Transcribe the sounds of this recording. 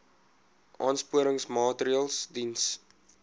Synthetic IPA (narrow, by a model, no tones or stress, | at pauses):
ʔɑːnspuəɾəŋsmɑːtəɾiəlˠsdins